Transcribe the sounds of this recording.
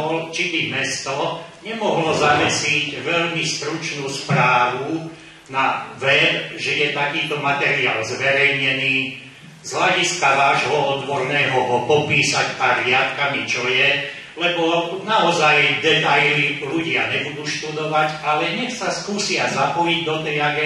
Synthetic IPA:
ɔlt͡ʃib̪imɛst̪ɔɲɛmɔɦlɔzamɛsicʋɛʎmist̪ɾut͡ʃnuːspɾaːʋu | naʋɛbʒɛjɛt̪akiːt̪ɔmat̪ɛɾiaːlzʋɛɾɛjɲɛniː | zɦlaɟiskaʋaːʒɦɔɔd̪ʋɔɾnɛːɦɔɦɔpɔpiːsaɟaɾɪat̪kamit͡ʃɔjɛ | lɛbɔnaɔzajd̪ɛt̪ajliʎuɟɪaɲɛbud̪uːʃt̪ud̪ɔʋaɟalɛɦɲɛxsaskuːsɪazapɔjiɟd̪ɔt̪ɛjaɡɛ

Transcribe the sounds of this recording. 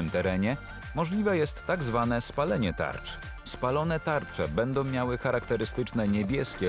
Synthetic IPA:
ɘmt̪ɛɾɛɲɛ | mɔʐlʲivɛjɛst̪ːaɡzvan̪ɛspalɛɲɛt̪a̰ɾt͡ʂ | spalɔn̪ɛt̪aɾt͡ʂɛ̰bɛnd̪ɔ̃w̃mʲjawɘxaɾakt̪ɛɾɘst̪ɘt͡ʂnɛɲebʲjɛskʲɛ

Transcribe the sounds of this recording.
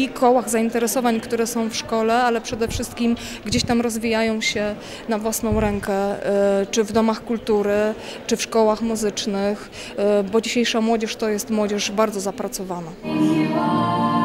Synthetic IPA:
ikʰɔwaɣzaint̪ɛɾɛsɔvaɲkt̪uɾɛsɔ̃w̃fʂkɔlɛalɛpʂɛd̪ɛfʂɘst̪̚kʲim | ɡd͡ʑeɕt̪amɾɔzvʲijajɔ̃w̃ɕɛ | navwasn̪ɔ̃w̃ɾɛŋkɛt͡ʂɘvd̪ɔmaxkult̪uɾɘ | t͡ʂɘfʂkɔwaxmuzɘt͡ʂnɘx | bɔd͡ʑiɕejʂamwɔd͡ʑɛʂt̪ɔjɛst̪mwɔd͡ʑɛʂbaɾd̪ɔzapɾat̪sɔvana

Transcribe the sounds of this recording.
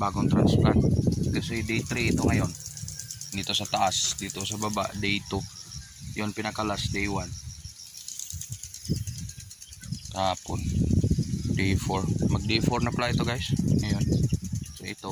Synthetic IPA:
baːɡoŋt̪ɾansplant̪̚ɡasɛd̪ejt̪ɾiɪt̪oŋajon | d̪it̪osat̪aʔasd̪it̪osababa̰ʔd̪ejt̪u | jonpɪnakalasd̪ejwan | t̪apʊn | d̪ejfoɾmɐɡ̚d̪efoɾnaplaʔɪt̪oɡajsŋajonsoɪt̪o

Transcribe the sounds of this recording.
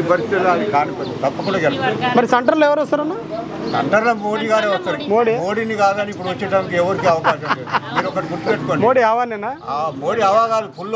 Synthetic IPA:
ipɐɾist̪it̪loɐd̪ikaːnukɐt̪ɐpːɐkuɳɽaːɡɛlɐst̪ɐmɐɾisɐɳʈɐɾloːɛʋɐɾɔsɐɾɐnaː | sɐ̰ɳʈɐɾlɐmoːɽiːɡaːɾeʋɐst̪ːɐɾimoːɽimoːɽiniɡaːɡɐnipːuɽuʋɐt͡ʃːɐʈaːnikiɛʋɐɾikiɐʋɐkaːʃɐmemiːɾɔkːɐʈiɡuɾt̪upeʈːukoːɳmoːɽiaːʋaːnenaaːmoːɽiaʋaːɡaːlipʰulː

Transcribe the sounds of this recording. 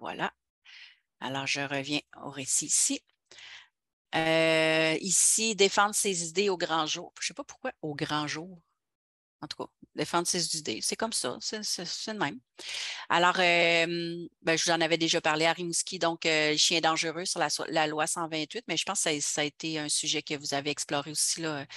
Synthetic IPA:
vwa̰la̰ | a̰lɔːʁʒəʁəvjɛ̃o̰ʁesisi | ə | isid̪efɑ̃d̪ʁsezid̪eoɡʁɑ̃ʒuːʁ̥sepapʊʁ̥kwaoɡʁɑ̃ʒuːʁ | ɑ̃t̪u̥ka̰d̪efɑ̃d̪ʁsezid̪ḛsɛkɔmsʌ̰sɛsɛɛd̪mɛ̃m | a̰lɔːʁømbɛʒəvuzɑ̃navɛd̪eʒɔpaʁleaʁimuskʲid̪ɔ̃køləʃjɛ̃ɛd̪ɑ̃ʒəʁøsyʁlaswa̰lalwasɑ̃vɛ̃t̪ɥɪt̪mɛʒə̥pɑ̃sksasaet̪eœ̃syʒɛkəvuzaveɛksplɔːʁeosi̥lɔø

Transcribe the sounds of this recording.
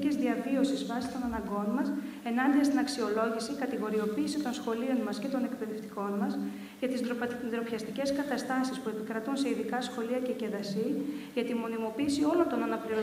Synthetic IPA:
cezðiɐvio̞sizvɐsi̥t̪o̞nɐnɐŋɡo̞nmɐs | e̞nɐnd̪iɐst̪inɐksio̞lo̞ʝisikɐt̪iɣo̞ɾio̞piːsit̪o̞nsxo̞lio̞nmɐsce̞t̪o̞ne̞kpe̞ðe̞ft̪i̥ko̞nmɐs | ʝɐt̪izd̪ɾo̞pçɐst̪ice̞skɐt̪ɐst̪ɐsispue̞pikɾɐt̪unse̞iðikɐsxo̞liɐcece̞ðɐsiʝɐt̪imo̞nimo̞piːsio̞lo̞nt̪o̞nɐnɐpliɾo

